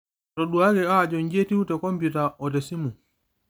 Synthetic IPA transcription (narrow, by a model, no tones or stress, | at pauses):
tɔɗuaɡɛad͡ʒɔɲd͡ʒetiwutɛkɔmputaɔtɛsimu